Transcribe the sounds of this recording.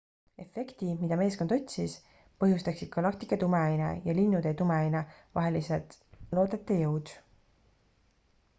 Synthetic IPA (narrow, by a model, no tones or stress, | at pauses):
e̞fe̞kt̪imid̪ɑme̞ːskond̪̥o̞t̪ʲsis | pɤ̞ɦjust̪ɑksid̥̪̚kɑlɑk̚t̪ikːˑɑt̪umeɑjnḛjɑlinːud̪et̪umeɑjnevɑ̰ɦe̞liselt̪lo̞ːd̪et̪ːˑejɤwd̪̥